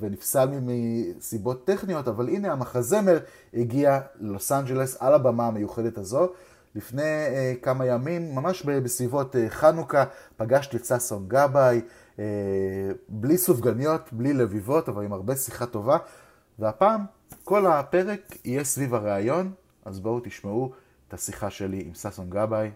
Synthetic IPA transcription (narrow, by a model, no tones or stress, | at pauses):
venifsalmimisibo̞tːe̞χnijo̞tavaline̞amaχaze̞me̞ʁ | iɡialelo̞sand͡ʒe̞le̞salabamaːmejuχede̞thazo̞ | lifne̞jkamajamimːamaʃbebesvivo̞teχanukapaɡaʃt̪et͡sasonɡabaj | e | blisuvɡanijo̞tblile̞vivo̞tavalimaʁbe̞siχato̞va | veapaːm | ko̞lape̞ʁe̞kijesvivaʁeajo̞n | ʔazbo̞wt̪iʃmau | etasiχaʃe̞liʔimsasonɡabaj